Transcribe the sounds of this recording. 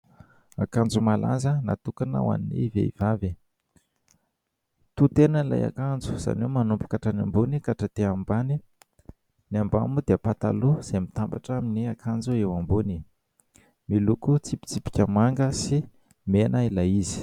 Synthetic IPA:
akand͡zumala̰zəna̰t̪ukanə̰wa̰ninḭvḛḭvavi | t̪ut̪enənila̰ja̰kand͡zu̥z̥a̰nomanumpu̥kaʈ͡ʂanambunikaʈ͡ʂat̪eambani | niamba̰mud̪eəpat̪a̰luz̥emit̪ambaʈ͡ʂaminiakʰand͡zuewambuni | milukut͡sipi̥t͡sipi̥kʲəmaŋɡəsi | menailaizi̥

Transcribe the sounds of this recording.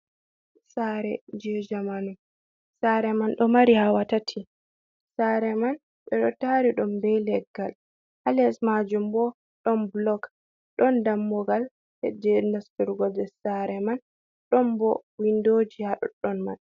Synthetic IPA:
saɾɛ̰d͡ʒɛd͡ʒamanum | saɾɛmanɗɔmaɾihawatatʰi | saɾɛman | ɓɛɗɔtaɾiɗɔmbɛlɛɡːal | halɛsmad͡ʒumbɔ | ɗɔnblɔk | ɗɔndamːɔɡal | hɛ̰d͡ʒɛnastuɾɡɔdɛsaɾɛman | ɗɔmbɔwindod͡ʒihaɗɔ̰ɗɔnma̰n

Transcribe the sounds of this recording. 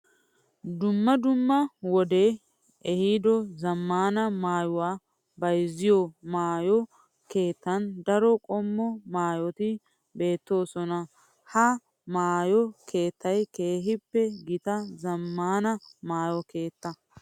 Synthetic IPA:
d̪ʊmːɐd̪ʊmːɐwɔd̪e̞ː | ɛhiːd̪ɔzɐmːaːnɐmaːjʊwaː | bɐjzɪjɔmaːjɔ | ke̞ːt̪ːɐnd̪ɐɾɔkʼɔmːɔmaːjɔt̪ɪ | be̞ːt̪ːo̞ːsɔnɐ | hɐ | maːjɔkʰe̞ːt̪ʰːɐjke̞ːɦɪpːɛɡɪt̪ɐzɐmːaːnɐmaːjɔke̞ːt̪ːɐ

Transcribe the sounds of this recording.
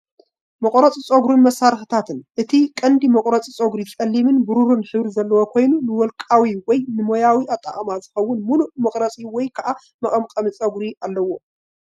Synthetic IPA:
mɐkʼɾɐt͡sʼit͡sʼoɡɾunmɐsːaɾxɨt̪ʰat̪ɨnʔɨt̪ʰikʼɐnd̪imɐkʼɾɐt͡sʼit͡sʼoɡɾikʼɐlːimɨnbɨɾuɾunħɨβɾizɐlːɐwokʰo̞jnunɨwɔlkʼawiwɔjnɨmojawiʔat̪ʼːa̰χʼɐmazɨxɐwːʊnmunumɐkʼɾɐt͡sʼiwɔjkʰɐʔa | mɐχʼɐmkʼɐmɨt͡sʼɐɡɾialːɐwo̞

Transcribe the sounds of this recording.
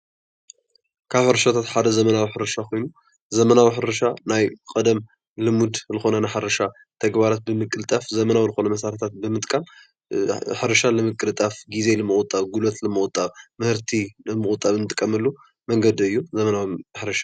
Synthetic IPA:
kʰaβħɨɾɐʃat̪ʰat̪ħad̪ɐzɐmɐnawiħɨɾɐʃakʰo̞jnu | zɐmɐnawiħɨɾɐʃanajkʼɐd̪ɐm | lɨmud̪zɨxo̞nɐnaħɨɾɐʃa | t̪ʰɐɡbaɾat̪̚bɨmɨkʼɨlɨt̪ʼafzɐmɐnawizɨxonɐmɐsaɾɐt̪ʰat̪̚bɨmɨt̪ʼkʼam | ħɨɾɐʃalɨmɨkʼːɨlt̪ʼafɡize̞lɨmɨχʼʊt̪ʼːaβɡulot̪lɨmːɨɣʼʊt̪ʼːaβmɨhɨɾt̪ʰilɨmːɨχʼʊt̪ʼːaβɨnɨt̪ʼɨkʼːɐmɐlːu | mɐŋɡɐd̪iɨjːuzɐmɐnawimħɨɾɐʃḁ

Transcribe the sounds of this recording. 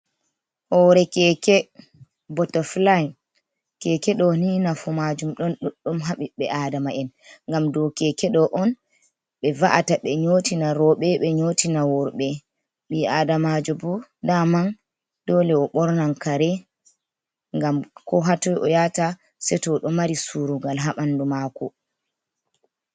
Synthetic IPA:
hɔɾɛkɛkɛ | bɔtɔflan | kɛkɛɗɔninafumad͡ʒumɗɔnɗuɗɗumɦaɓiɓɛʔaːdamaʔɛn | ŋɡamdɔkɛkɛɗɔʔɔn | ɓɛvaʔataɓɛɲotinaɾɔɓɛɓɛɲotinawɔɾɓɛ | ɓiadamad͡ʒɔbɔdaman | d̥ɔlɛɔɓɔɾnankaɾɛ | ŋɡamkɔɦatɔjʔɔjata | sɛtɔɗɔmaɾisuɾuɡalɦaɓandumakɔ

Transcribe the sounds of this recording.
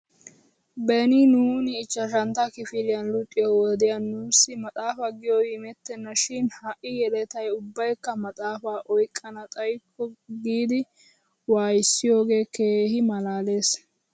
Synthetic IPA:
bɛnɪnuːnɪːt͡ʃːɐʃ̬ɐnt̪ɐkɪfɪlɪjɐnlʊt̪ʼːɪjɔwɔd̪ɪjɐnːuːsːɪmɐt̪ʼaːfaɡɪjɔɪmɛt̪ːɛnːɐʃɪnhɐʔɪjɛlɛt̪ɐjʊbːɐjkːɐmɐt̪ʼaːfaːʔɔjkʼːɐnɐt̪ʼɐjkʰːɔɡiːd̪ɪ | waːjɪsːɪjo̞ːɡe̞ːke̞ːhɪmɐlaːle̞ːs

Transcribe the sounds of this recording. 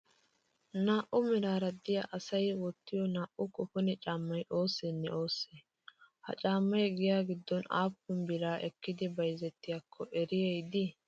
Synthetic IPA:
naːʔʊmɪɾaːɾɐd̪ɪjaʔɐsɐjwɔt̪ːɪjɔnaːʔʊkʼʊfɔnɛt͡ʃʼaːmːɐjʔo̞ːsːɛnːɛoːsːeː | hɐ̰t͡ʃʼaːmːɐjɡɪjaːɡɪd̪ːɔna̰ːpːʊmbɪɾaːʔɛkːɪd̪ɪbɐjzɛt̪ːɪjakʰːɔʔɛɾɪjɛjd̪ɪ

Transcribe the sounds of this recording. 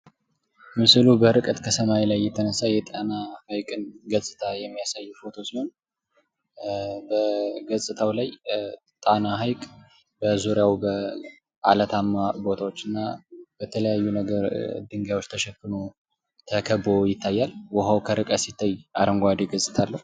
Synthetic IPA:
mɨsɨlubəɨɾɨkʼət̪kʰəsəmalajːɛt̪ʰənəsajɛt̪ʼanahajkʼɨnɡəsʼɨt̪ʰajɛmːijasajːufo̞t̪ʰo̞siho̞n | bəɡəsʼɨt̪ʰawlaj | t̪ʼanaɦajkʼ | bəzuɾjawbə | ʔa̰lət̪ʰamːabo̞t̪ʰawo̞t͡ʃːɨnːab̥ət̪ʰələjajːunəɡəɾd̪ɨŋɡawot͡ʃːt̪ʰəʃɛkːɨno̞ | t̪ʰəkʰəbojɪt̪ʰːajːalwɔɦəwkʰəɾɨkʼət̪sit̪ʰːajːʔaɾəŋɡʷad̪eɡəsʼɨ̥t̪ʰalːəhu

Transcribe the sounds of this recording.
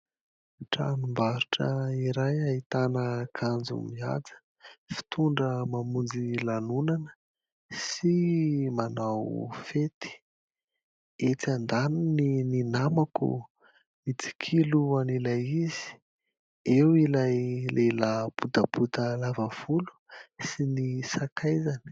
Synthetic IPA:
ʈ͡ʂa̰nimbaɾuʈ͡ʂə̰iɾajait̪anəkʰand͡zṵmia̰d͡zə̥ | fi̥t̪uɳɖ͡ʐəmamund͡zilanunanə̥ | simanawfet̪i̥ | et͡sand̪aninininamakṵ | mit͡si̥kʰiluanilajiz̥i̥ | ewilajlelabut̪əb̥ut̪əlavav̥ulu̥ | sinisakʰajzani̥

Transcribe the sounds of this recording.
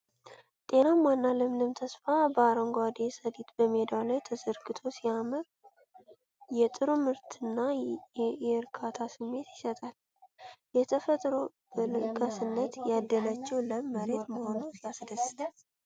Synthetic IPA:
t̪ʼe̞namwanːaləmnɨmt̪ʰəsfabəaɾəŋɡad̪esədit̪bəme̞d̪alajt̪ʰəzəɾɡɨt̪ʰo̞siamɨɾ | jɛt̪ʼɨɾumɨɾt̪ʰɨnːa | jɛɾkʰat̪ʰasɨmːe̞t̪jɪsət̪ʼal | jɛt̪ʰəfət̪ʼɾo̞ | bɨlɨkʼasɨnːət̪jad̪ːələt͡ʃːɛwləməɾe̞t̪məho̞nusjasɨd̪əsɨ̥t̪ʰal

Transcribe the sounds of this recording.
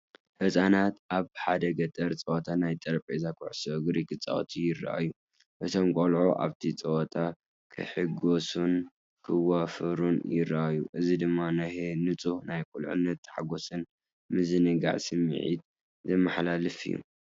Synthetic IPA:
hɨsʼanat̪ʔaβħad̪ɐɡɐt̪ʼɐɾt͡sʼɐwt̪ʰanajt̪ʼɐɾpʼezakʰuʕsoɡɾikʰɨt͡sʼa̰ʔt̪ʰijɪrːa̰ʔa̰jːu | ʔɨt̪ʰo̞mkʼolʕoʔa̰βt̪ʰit͡sʼɐwt̪ʼa | kʰɨ̰ħɨɡosun | kʰɨwafɨɾunjɪɾɐʔajuʔɨzid̪ɨmːanahenɨt͡sʼuhnajkʼulʕɨ̰nːɐt̪ːħaɡo̞sɨn | mɨzɨnɨɡa̰ʕsɨmːɨ̰ʕḭt̪ | zɐmːaħlalɨfɨ̰jːṵ

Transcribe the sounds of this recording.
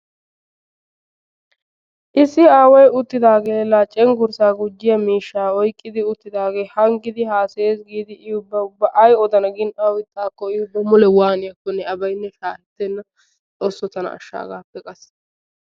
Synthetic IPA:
ʔɪsːɪaːwɐjʊt̪ːɪd̪aːɡe̞ːlaːt͡ʃʼɛŋɡʊɾsaːɡʊd͡ʒːɪjɐmiːʃːaːɔjkʼːɪd̪ɪʊt̪ːɪd̪aːɡe̞ːhɐŋɡɪd̪ɪhaːseeːsɡiːd̪ɪʔɪʊbːɐʊbːɐʔɐjɔd̪ɐnɐɡɪnʔɐwɪt̪ːaːkːɔɪʊbːɐmʊlɛwaːnɪjɐkːɔnːɛɐbɐjnːɛʃaːlɛt̪ːɛnːɐ | t͡sʼoːsːɔt̪ɐnɐ̰ɐ̰ʃːa̰ːɡa̰ːpːɛkʼɐs

